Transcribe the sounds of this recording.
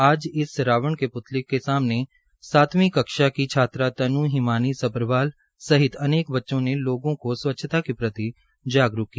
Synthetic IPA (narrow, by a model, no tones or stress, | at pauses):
aːd͡ʒɪsɾaːʋəɳkepʊt̪lɪkːesaːmne | saːt̪mĩːkəkʃakit͡ʃʰaːt̪ɾat̪ɐnũːɦɪmaːnisəpɾəʋaːl | səɦɪt̪əneːkbətːʃõneloːɡõkoswətːʃʰt̪akipɾət̪i | d͡ʒaːɡɾʊkːi